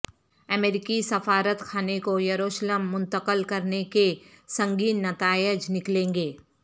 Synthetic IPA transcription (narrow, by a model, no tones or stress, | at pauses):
ɐmeːɾɪkisɐfaːɾət̪kʰaːnekojɐɾoːʃləmːʊ̃nt̪əqəlkɐɾnekesɐ̃ŋɡiːnːɐt̪aːɪd͡ʒnɪklẽːŋɡeː